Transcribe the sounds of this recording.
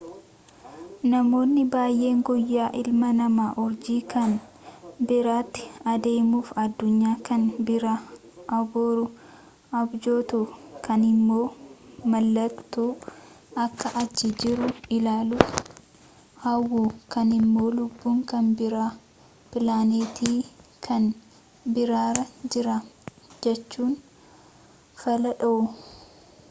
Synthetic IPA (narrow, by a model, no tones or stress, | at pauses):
nɐmo̞ːnːɪbaːjʔe̞ːŋɡɔjːaːʔɪlmɐnɐmaːʔɔɾd͡ʒiːkɐn | bɪɾaːt̪ːɪ̥ɐd̪eːmuːfɐd̪ːʊɲːaːkɐnbɪɾa | ʔɐboːɾʊ | ʔɐbd͡ʒoːt̪ukɐnɪmːo̞ːmɐlːɐkt̪uː | ɐkːɐʔɐd͡ʒːɪd͡ʒɪɾʊɪlaːlʊ | hɐwːuːkɐnɪmːo̞ːlʊbːuːŋkɐnbɪɾaː | pɪlaːneːt̪iːkʰɐn | bɪɾaːɾɐd͡ʒɪɾɐ | d͡ʒɛt͡ʃːuːn | fɐlɐᶑɐʔʊ